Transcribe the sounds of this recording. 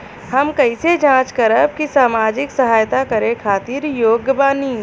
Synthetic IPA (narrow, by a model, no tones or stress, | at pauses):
hɐmkɐɪsed͡ʒãːt͡ʃkɐɾəb̚kisaːmaːd͡ʒɪksɐɦaːjt̪akɐɾẽkʰaːt̪iːɾjoːɡbaːni